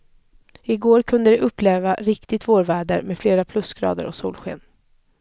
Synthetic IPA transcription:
ɪɡoːɾkʰɵnd̪əd̪ɛʔɵpːleːvaɾɪkt̪ɪt̪voːɾvæːɖəɾmɛfleːɾapʰlɵsɡɾɑ̰ːd̪ə̰ɾɔsuːlɧḛːn

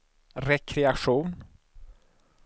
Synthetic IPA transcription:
ɾɛkʰɾɛaʂuːn

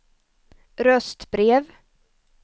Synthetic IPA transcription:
ɾœst̪bɾeːv

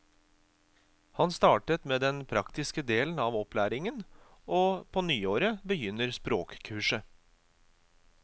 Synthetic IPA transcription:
hɑnst̪ɑːʈət̪meːd̪ɛnpʰɾɑkt̪ɪskəd̪eːln̩ɑːʋɔplæːɾɪŋənʔoːpʰoːnyːoːɾəbəjʏnəɾspɾoːkkʰʉːʂə

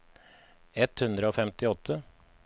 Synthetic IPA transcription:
ɛt̪hʉnd̪ɾəoːfɛmt̪ɪɔt̪ʰːə

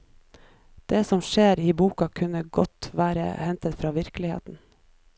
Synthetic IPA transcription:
d̪̥eːsɔmʃeːɾiːbuːkɑkʰʉnəɡɔt̪ʋæːɾə̰hɛnt̪ət̪fɾɑːʋɪɾkəlɪhḛːt̪n̩

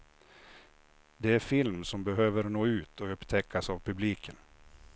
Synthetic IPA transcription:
d̪ɛæɾfɪlmsɔmbɛɦøːvəɾnoːʉ̟ːt̪ʰɔɵpːt̪ʰɛkʰːasavpʰɵbliːkʰən

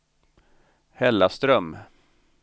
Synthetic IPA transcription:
hɛlːast̪ɾœm

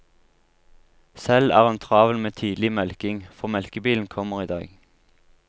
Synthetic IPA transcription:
sɛlæ̰ːʁɛːnt̪ʰʁɑːʋəl̩meːt̪ʰiːd̪lɪmɛlkɪŋfɔʁmɛlkəbiːln̩kʰɔməʁiːd̪ɑ̰ːɡ

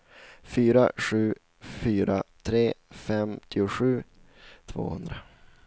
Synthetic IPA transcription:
fyːɾa̰ɧʉ̟ː | fyːɾat̪ʰɾeːfɛmt̪ʰɪʊɧʉ̟ː | t̪ʰvo̰ːhɵ̰nd̪ɾa

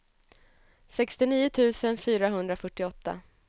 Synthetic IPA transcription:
sɛkst̪ɪniːʊt̪ʰʉ̟ːsənfyːɾaɦɵnd̪ɾafœʈːɪɔt̪ʰːa̰

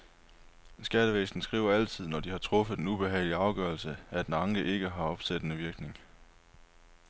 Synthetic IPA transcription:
sɡ̥æɾ̥əʋesd̥n̩sɡ̥ʁḭːʊɐæl̰t͡sʰið̰ˠnɒd̥ihɑ̈t͡sʰʁɔ̽fəðˠd̥enub̥e̝ɦɛ̰ɪliɑ̈ʊɡ̥œːɐlsəæd̥enɑ̈ŋɡəʔe̝ɡ̥əɦɑ̈ɒ̽b̥sed̥ənəʋiɐɡ̥ne̝ŋ

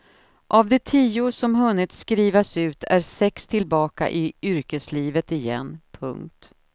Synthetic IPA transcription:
ʔavd̪ɛt̪ʰiːʊsɔmɦɵnːɪt̪skɾiːvasʉ̟ːt̪ʰæɾsɛkst̪ʰɪlbɑːka̰ʔɪʏɾkəsliːvət̪ɪjɛ̰nːpʰɵ̰ŋk̚t̪

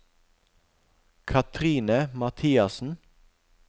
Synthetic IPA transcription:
kʰɑt̪ʰʁiːnəmɑt̪ʰiːɑsn̩

